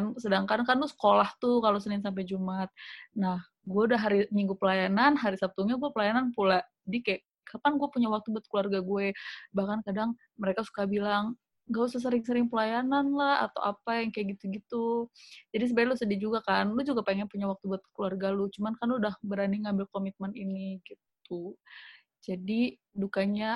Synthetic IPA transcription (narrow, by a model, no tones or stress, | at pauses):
nsədaŋkankanlʊsə̥kolaht̪ukalosənɪŋsamp̬ajd͡ʒumat̪̚nah | ɡuɛudaɦaɾimiŋɡupəlajananɦaɾisap̚t̪uɲaɡuapəlajananpulad͡ʒadikaa | kapanɡuapuɲawak̚t̪ubuat̪̚kluarɡaɡuɛbahkankadaŋ | məɾekasu̥kabilaŋ | ɡausas̬əɾɪŋsəɾɪŋpəlajananlaha̰t̪a̰wʔa̰pajaŋkajaʔɡit̪uɡit̪ud͡ʒadis̬əbalusədid͡ʒuɡakanlud͡ʒuɡapaŋɛnpuɲawak̚t̪ubuat̪̚kluarɡalut͡ʃumankanluudahbəɾaniŋambɪlkomit̪̚məniniɡit̪̚u | d͡ʒadi | dukaɲa